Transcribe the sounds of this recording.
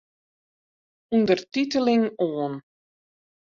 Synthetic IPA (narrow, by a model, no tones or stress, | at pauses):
undərtitəlɪŋoːən